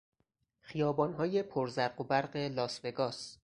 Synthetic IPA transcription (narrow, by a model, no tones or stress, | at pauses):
xijɒːbɒːnɦɒːje̞pʰoɾzæɾɢobæɾɢe̞lɒːsve̞ɡɒːs